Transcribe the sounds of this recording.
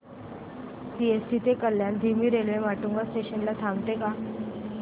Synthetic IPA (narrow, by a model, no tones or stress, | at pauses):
siesʈit̪ekəljand̪ʱimiːɾelʋemaʈuŋɡasʈeɕənlat̪ʰamt̪eka